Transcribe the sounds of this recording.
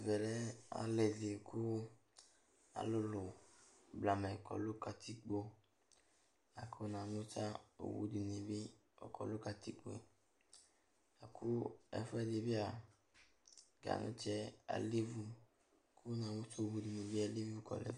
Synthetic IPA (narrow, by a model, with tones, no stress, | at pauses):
vɛ˨lɛ˦a̰˨lɛ˨de˨ku˦ | a̰˨lo˦lʊ˨bla˨mɛ˨kɔ̰˨lo˦ka˧ti˦k͡po˧ | a˨kʰo˦na˨mu˦t͡ʃa˦o̰˨wṵ˦di˨ni˨bi˦ | ɔ̰˨kʰɔ̰˨lo˦ka˧ti˦k͡po̰˦ | a˨kʰu˦ɛ̰˨fɛ˦˨de˧bi˦a˨ | ɡa̰˨nṵ̃˦t͡ʃɛ˦a̰˨le˦vu˧ | kʰu˦nã˨mu˦t͡ʃo˦˨wu˧di˨ni˨bi˦a˧li˦vu˧˦˨kɔ̰˨lɛ̰˨